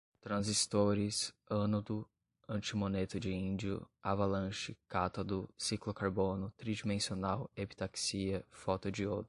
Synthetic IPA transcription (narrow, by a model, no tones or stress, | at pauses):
t̪ɾɐ̃zist̪oɾɪsɐ̃nʊd̪ʊ | ɐ̃t͡ʃɪmonet̪ʊd͡ʒɪĩd͡ʒiʊ̰avalɐ̃ʃɪkat̪ɐd̪ʊsiklʊkaɾbõnʊt̪ɾid͡ʒimẽsionawepi̥t̪aksiɐfɔt̪ʊd͡ʒɪod̪ʊ